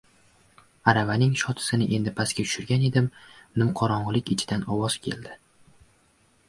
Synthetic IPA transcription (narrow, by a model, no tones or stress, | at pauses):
aɾavanɪŋʃɒt̪ʰɪ̥sɪnɪʔe̞nd̪ɪpʰaskʲat̪ʰʊ̥ʃʊɾɡʲane̞d̪ɪmnɪmqʰɒɾɒɴʁɨlɪkʲɪt͡ʃʰɪ̥d̪anɒwɒzkʲʰe̞̰ld̪ɪ